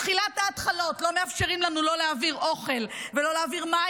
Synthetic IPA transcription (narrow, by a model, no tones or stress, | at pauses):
χilathaːtχalo̞tlo̞meafʃeʁimlanulo̞leaviʁʔo̞χe̞lvelo̞leaviʁma